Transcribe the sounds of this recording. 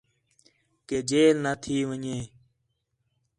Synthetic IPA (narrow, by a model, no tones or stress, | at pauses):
keːd͡ʒeːlnət̪ʰiːʋəɲeː